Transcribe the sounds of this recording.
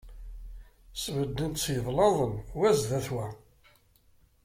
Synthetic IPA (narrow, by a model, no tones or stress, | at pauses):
svəd̪ːənt̪sjəðˤlɑðˤənwæzðæθwæ